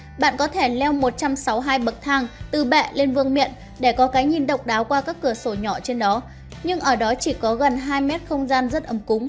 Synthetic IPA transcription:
ɓa̰ː˧˨nkɔ˨˦t̪ʰe˧˩lɛ˧wmo˨˩t̚t͡ɕa˧msa˨˦wɦaː˧jɓə˨˩t̚t̪ʰaː˧ŋt̪ɨ˨˩ɓɛ̰˧˨le˧nvɨ˧əŋmḭ˧˨ən | ɗe˧˩kɔ˨˦kaː˨˦jɲi˧nɗə˨˩wk͡p̚ɗaː˨˦wkwaː˧kaː˦˥kːɨ˧˩əso˧˩ɲɔ˧˩t͡ɕe˧nɗɔ˨˦ | ɲɨ˧ŋʔəː˧˩ɗɔ˨˦t͡ɕi˧˩kɔ˨˦ɣə˨˩nɦaː˧jmɛ˦˥t̚xə˧wŋ͡mzaː˧nzə˦˥t̚ʔə˨˦mkʊ˨˦ŋ͡m

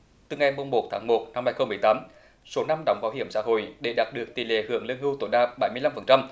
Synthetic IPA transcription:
t̪ɨ˨˩ŋa˨˩jmo˨˧˩ŋ͡mmo˨˩t̚t̪ʰaː˨˦ŋmo˨˩t̚na˧mhaː˧jxə˧wŋ͡mmɨ˨˩əjt̪aː˨˦m | so˨˦na˧mɗɔ˨˦wŋ͡mvaː˨˦wɦhi˧˨əmsa̰ː˧˥ɦo̰˧˨jɗe˧˩ɗaː˨˩t̚ɗɨ˨˩ək̚t̪i˨˩lḛ˧˨˩hɨ̰˧˩˨əŋlə˧nɦɨ˧wt̪o˧˩jɗaː˧ɓa˧˩jmɨ˧əjla˧mfə˨˩nt͡ɕa˧m

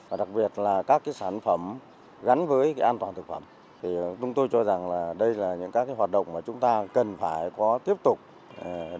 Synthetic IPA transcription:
vaː˨˩ɗa˨˩k̚ɓi˨˩ət̚laː˨˩kaː˦˥kːaː˨˦jsaː˧˩nfə˧˩m | ɣa˨˦nvəː˨˦jkaː˨˦jʔaː˧nt̪waː˨˩nt̪ɨ˨˩k̚fə˧˩m | t̪ʰi˨˩t͡ɕʊ˨˦ŋ͡mt̪o˧jt͡ɕɔ˧za˨˩ŋlaː˨˩ɗə˧jlaː˨˩ɲɨ̰˧˥ŋkaː˧˦˥kːaː˨˦jwaː˨˩t̚ɗə̰˧˨ŋ͡mmaː˨˩t͡ɕʊ˨˦ŋ͡mt̪aː˧kə˨˩nfaː˧˩jkɔ˨˦t̪i˦˥əp̚t̪ʊ˨˩k͡p̚ː

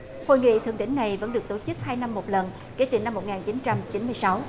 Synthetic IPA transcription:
ho̰˧˨jŋḭ˧˨t̪ʰɨ˧˩əŋɗï˧˥ŋ̟na˨˩jvə̰˧˥nɗɨ˨˩ək̚t̪o˧˩t͡ɕɨ˦˥k̚haː˧jna˧mːo˨˩t̚lə˨˩n | ke˨˦t̪i˨˩na˧mːo˨˩t̚ŋaː˨˩nt͡ɕi˨˦nt͡ɕa˧mt͡ɕi˨˦nmɨ˧jsa˨˦w

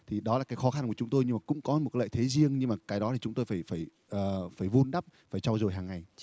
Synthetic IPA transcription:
t̪ʰi˨˩ɗɔ˨˦laː˨˩kaː˨˦jxɔ˨˦xa˧nku˧˩t͡ɕʊ˨˦ŋ͡mt̪o˧jɲɨ˧maː˨˩kʊ̰˧˥ŋ͡mkɔ˨˦m̚˨˩a˨˦ə̰ː˧˨t̪ʰe˨˦zi˧əŋɲɨ˧ŋmaː˨˩kaː˨˦jɗɔ˨˦t̪ʰi˨˩t͡ɕʊ˨˦ŋ͡mt̪o˧jfaː˧˩jfaː˧˩j | ʔəː˨˩faː˧˩jvu˧ənɗa˦˥p̚faː˧˩jt͡ɕa˧wzo˨˩jɦaː˨˩ŋːa˨˩j

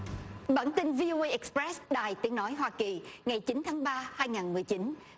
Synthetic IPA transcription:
ɓaː˧˩nt̪ï˧ŋvi˧ʔo˧ʔə˧ʔɛ˨˩k̚spɹɛ˦˥sɗaː˨˩jt̪i˨˦əŋnɔ˨˦jɦwaː˧ki˨˩ŋa˨˩jt͡ɕi˨˦nt̪ʰaː˨˦ŋɓaː˧haː˧jŋaː˨˩nmɨ˨˩əjt͡ɕi˨˦n

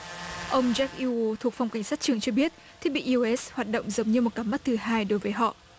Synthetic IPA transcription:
ʔə˧wŋ͡mzɛ˦˥k̚ʔi˧o˧t̪ʰəkfa˧wŋ͡mka˨˩jŋ̟saː˦˥t̚t͡ɕɨ˧˩əŋt͡ɕɔ˧ɓi˦˥ət̚ | t̪ʰi˦˥ək̚ɓḭ˧˨ʔi˧ʔɛ˦˥shwaː˨˩t̚ɗə̰˧˨wŋ͡mzə˨˦wŋ͡mɲɨ˧mo˨˩t̚kaː˨˦mːa˦˥t̚t̪ʰɨ˨˩ɦaː˧jɗo˨˦jvəː˨˦jɦɔ̰˧˨

